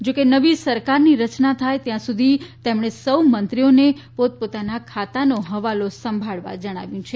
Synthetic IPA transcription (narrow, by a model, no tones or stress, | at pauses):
d͡ʒokenəʋisəɾkaɾniɾət͡ʃnat̪ʰajt̪jãsud̪ʱit̪emɳ̃esəwmənt̪ɾionepot̪̚pot̪anakʰat̪anoɦəʋalosəmbʱaɭʋa̰d͡ʒəɽ̃aʋjũt͡ʃʰe